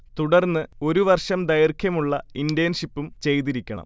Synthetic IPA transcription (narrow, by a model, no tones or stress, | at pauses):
t̪uɽɐrnːɨo̞ɾuʋɐrʂɐmd̪ɐjɐrkʰjɐmuɭːɐindijɐnʂipːumt͡ɕe̞jt̪iɾikʲːɐɳɐ̰m